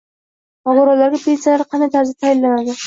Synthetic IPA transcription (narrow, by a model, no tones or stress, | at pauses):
ɒɡʊɾɒlːaɾɡʲapʰeint̪sjalaɾqʰɑnd̪ajt̪ʰaɾzɪ̥t̪ʰajɪlːanad̪ɪ